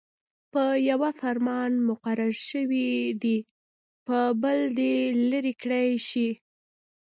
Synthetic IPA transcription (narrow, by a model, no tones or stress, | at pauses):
pəjawafaɾmɑnmʊqaɾaɾʃəwid̪i | pəbəld̪eləɾikɽajʃi